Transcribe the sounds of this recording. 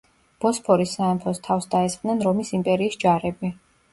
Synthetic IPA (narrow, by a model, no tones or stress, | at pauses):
b̥ɔspʰɔɾisaɛmpʰɔst̪ʰafsd̪aɛsqʼd̪nɛnɾɔmisimpʼɛɾiːsd͡ʒaɾɛbi